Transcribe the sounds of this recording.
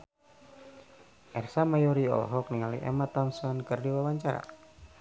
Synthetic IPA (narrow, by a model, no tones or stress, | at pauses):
ʔɛrsamajɔɾiɔ̰lɔ̰ɦɔkniŋalḭʔɛ̰mat̪ansɔnkərdiwawaɲt͡ʃaɾa̰